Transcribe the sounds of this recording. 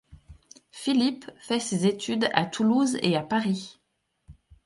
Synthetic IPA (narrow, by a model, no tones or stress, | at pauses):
filipfɛsezet̪ʰyd̪a̰t̪ʰuluzḛapaʁi